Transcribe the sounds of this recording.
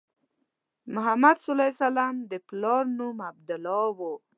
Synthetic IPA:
mʊɦamad̪sʊlajsalamd̪əplɑɾnumab̚d̪ʊlɑwo

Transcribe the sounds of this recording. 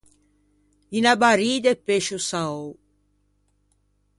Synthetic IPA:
inabaɾiːd̪epːeʃusaow

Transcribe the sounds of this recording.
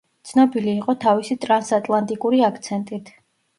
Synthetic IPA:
t̪sʰnɔbiliːqʼɔt̪ʰavisit̪ʼɾansat̪ʼlˠant̪ʼikʼuɾiakʰt̪sʰɛnt̪ʼit̪ʰ

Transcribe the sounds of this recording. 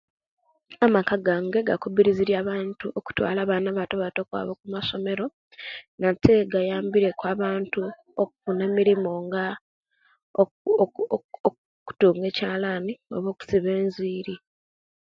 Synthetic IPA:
amakaɡaŋɡeɡa̰kuβiɾiziɾjaːβaːntuʔoku̥twa̰ːlaβaːnaβatoβato̞kwa̰ːβokumaso̞me̞ɾo̞ | natʰeɡajaːmbiɾe̞kwaːβaːntu | okukune̞miɾimoŋɡa | o | o | ku̥tuːŋɡe̞ːcaːlanio̰βo̞ːku̥siβe̞ːnziːɾi

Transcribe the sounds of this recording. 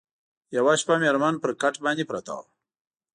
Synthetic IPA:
jawaʃpameɾmanpəɾkaʈbɑːnd̪epɾat̪a̰w

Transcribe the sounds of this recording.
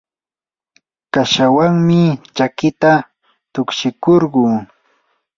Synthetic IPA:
kaʃawaŋmɪt͡ʃakɪt̪a | t̪ʊkʃɪkoɾɢuː

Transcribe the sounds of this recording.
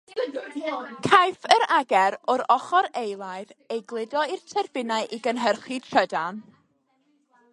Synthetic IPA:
kʰajfəɾaɡɛɾɔɾɔχɔɾejlˠaɨðejɡlˠɪdɔirtʰɛrbɪnaɨʔiɡənɦərχid̥tʰədan

